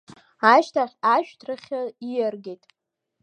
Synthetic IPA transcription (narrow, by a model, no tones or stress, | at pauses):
aʃtʰaχʲaʃᶣtʰrɨχʲaijarɡʲejtʼ